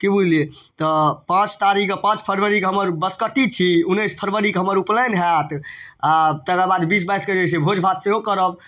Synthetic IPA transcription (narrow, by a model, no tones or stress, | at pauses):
kibud͡ʒlie | t̪ɔpãt͡ʃt̪aɾiɡəpãt͡ʃpʰəɾʋəɾikɦəməɾbəskəʈːit͡ʃʰiunːəspʰəɾʋəɾikeɦəməɾuplənɦɛt̪at̪ɛd̪abad̪bis̬bajsked͡ʒes̬ebʱod͡ʒʱbʱat̪seɦokəɾəb